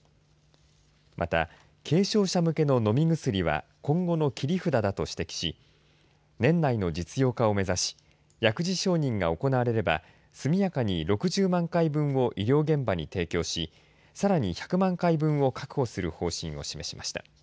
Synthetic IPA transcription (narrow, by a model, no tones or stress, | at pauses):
mʔat̪a̰ | kʰe̞ːɕo̞ːɕamɯ̟ke̞no̞no̞mʲiɡɯ̟sɨɾʲiβa̰kõ̞ŋɡo̞no̞kʲiɾʲiɸɯ̟d̪ad̪at̪o̞ɕi̥t̪e̞kʲi̥ɕi | nẽ̞nːaino̞d͡ʑit͡sɨjo̞ːkao̞me̞zaɕi̥ | jakɯ̟ʑiɕo̞ːɲ̟ĩŋɡao̞ko̞naβaɾe̞ɾe̞ba̰ | sɨmʲijakaɲ̟iɾo̞kɯ̟ʑɨːmãŋkaibɯ̟̃ɰ̃o̞ʔiɾʲo̞ːɡẽ̞mbaɲ̟ḭt̪e̞ːkʲo̞ːɕi | saɾaɲ̟içḁkɯ̟mãŋkaibɯ̟̃ɰ̃o̞kḁkɯ̟̥ho̞sɨɾɯ̟ho̞ːɕḭ̃ɰ̃o̞̰ɕime̞ɕima̰ɕi̥t̪a̰